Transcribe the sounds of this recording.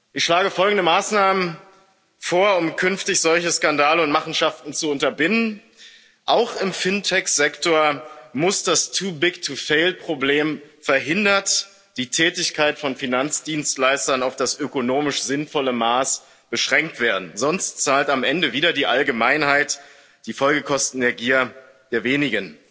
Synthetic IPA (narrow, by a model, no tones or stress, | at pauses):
ʔɪçʃlaːɡəfɔlɡŋ̩dəmaːsnaːmən | foːɐʊmkʰʏnftɪçz̥ɔlçəskandaːləʊntmaχn̩ʃaftn̩t͡suʊntɐbɪnən | ʔaʊxɪmfɪntʰɛksz̥ɛktoɐmʊsd̥astʰuːbɪɡtʰufeɪlpʁ̥obleːmfɛɐɦɪndɐt | d̥iːtʰɛːtɪçkʰaɪtfɔnfinant͡sd̥iːnstlaɪstɐnaʊfd̥asʔøkonoːmɪʃz̥ɪnfɔləmaːs | b̥əʃʁ̥ɛŋk̚tv̥eːɐdn̩zɔnstt͡saːltamʔɛndəviːdɐdiːʔalɡəmaɪnhaɪt | d̥iːfɔlɡəkʰɔstn̩deːɐɡiːɐ | d̥eːɐveːnɪɡən